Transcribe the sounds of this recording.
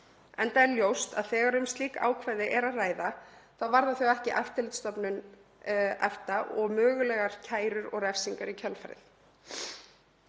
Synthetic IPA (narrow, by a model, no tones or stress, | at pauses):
ɛnt̪aɛljowst̪a̰ðθɛːɣaɾʏmst̪liːkaa̰ːwkʰvajðɪʔɛɾaðraːjðaθaðvaɾðaθœɣɛhcɪʔɛft̪ɪlɪt̪st̪ɔpnʏn | ɛ̰ft̪aʔɔɣmœːɣʏlɛɣaɾ̥cʰaːjɾʏɾɔɣrɛfsiŋkaɾicʰœlfaɾɪ̰θ